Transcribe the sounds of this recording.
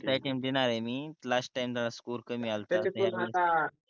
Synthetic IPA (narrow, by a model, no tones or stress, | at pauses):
tajʈimd̪inaɾemiːlasʈʈajmt̪alaskuːɾkəmiːalt̪eeaa